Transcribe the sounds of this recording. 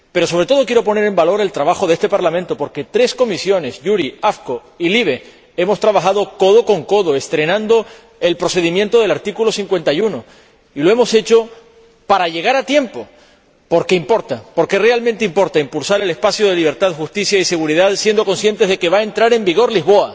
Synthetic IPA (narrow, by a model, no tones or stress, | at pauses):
pe̞ɾoso̞β̞ɾe̞t̪o̞ð̞o̞kje̞ɾo̞po̞ne̞ɾe̞mbalo̞ɾe̞lt̪ɾaβ̞axo̞ð̞e̞st̪e̞paɾlamẽnt̪o̞po̞ɾke̞t̪ɾe̞sko̞misjo̞ne̞sʝuɾiafko | iliβ̞e̞ | e̞mo̞st̪ɾaβaxað̞o̞ko̞ð̞o̞ko̞ŋko̞ðoest̪ɾe̞nãnd̪o̞ | e̞lpɾo̞se̞ðimjent̪oð̞e̞laɾt̪ikulo̞siŋkwe̞nt̪ajuno̞ | ilo̞e̞mo̞se̞t͡ʃo̞ | paɾaʝe̞ɣ̞aɾat̪je̞mpo̞ | po̞ɾkeimpo̞ɾt̪apo̞ɾke̞realmẽnt̪eimpo̞ɾt̪aimpulsaɾe̞le̞spasjoðeliβ̞e̞ɾt̪aðxust̪isjaise̞ɣuɾiðaðsje̞nd̪oko̞nsje̞nt̪e̞zðe̞ke̞βae̞nt̪ɾaɾe̞mbiɣ̞o̞ɾliɦβo̞a